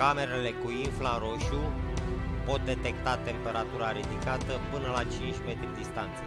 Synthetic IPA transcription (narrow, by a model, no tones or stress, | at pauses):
kame̞ɾe̞le̞kuinflaɾo̞ʃu | po̞t̪̚d̪e̞t̪e̞k̚t̪at̪e̞mpe̞ɾat̪uɾaɾid̪ikat̪əpɨnəlat͡ʃint͡ʃʲme̞t̪ɾʲid̪ist̪ant̪se